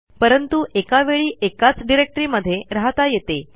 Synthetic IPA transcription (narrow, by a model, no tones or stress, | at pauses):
pəɾənt̪uʔekaʋeɭiːʔekat͡sɖiɾek̚ʈɾiːməd̪ʱːjeɾaɦt̪ajet̪e